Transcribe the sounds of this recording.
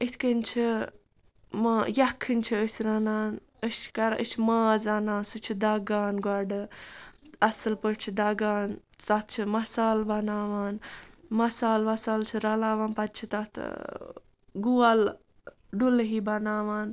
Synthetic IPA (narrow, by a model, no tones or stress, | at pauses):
ət̪ʰkənt͡ʃʰi | majɐkʰːɨnʲt͡ʃʰiəsʲɾɐnaːn | əst͡ʃʰkɐɾəsʰimaːzɐnãːsɨt͡ʃʰid̪aɡaːnɡɐɖɨ | ɐsɨlpəʈt͡ʃʰid̪ɐɡaːn | t͡sɐt̪̚ʰt͡ʃʰimɐsaːlbɐnaːʋaːnmɐsaːlʋɐsaːlt͡ʃʰiɾɐlaːʋaːnpɐt̪̚t͡ʃʰit̪ɐt̪ʰ | ɡual | ɖulɦibɐnaːʋaːn